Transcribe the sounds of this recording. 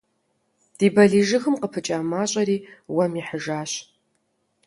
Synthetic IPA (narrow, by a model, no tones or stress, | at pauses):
d̥iːbɐɮiːʒɨxɨmqəpʰɨt͡ʃʼaːmaːɕʼɐɾiːwɐmiħəʒaːɕ